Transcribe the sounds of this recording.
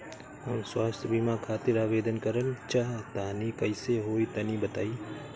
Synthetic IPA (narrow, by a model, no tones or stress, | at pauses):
ɦɐmswaːst̪ʰjəbimakʰaːt̪ɪɾaːʋeːd̪ənkəɾənt͡ʃaɦt̪aːnikɐɪseɦoːit̪ɐnibət̪aːiː